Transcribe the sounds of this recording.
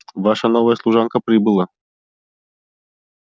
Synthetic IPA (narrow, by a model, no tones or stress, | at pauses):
vɑʂənovəjəslˠuʐɑnkəpɾʲibɨlˠə